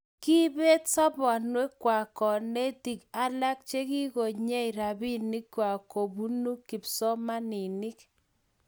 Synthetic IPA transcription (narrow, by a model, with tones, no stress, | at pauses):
ki˦be˦tsɔ˦bɔ˨nwe˦kːwa˨kɔ˨ne˦ti˨ka˦la˦k̚t͡ʃe˦ki˦ko˨ɲe˦i˨ɾa˨bi˦ni˦kːwa˨ko˨bu˦nu˦kːi˨psɔ˦ma˦ni˨ni˦k̚